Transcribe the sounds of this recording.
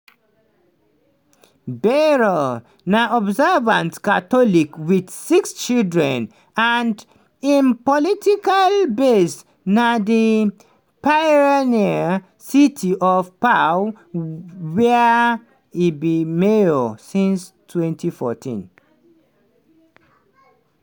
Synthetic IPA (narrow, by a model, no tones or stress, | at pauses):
bɛɹɔ | naɔbzɛvãntkatɔlikwid̥sikst͡ʃildɹɛ̃n | and | ĩnpɔlitikalbes | nadi | paɹania | sitʰiʔɔvpa | wɛ | ibimeɔsĩnstʰwɛ̃ntʰifɔtʰḭ̃n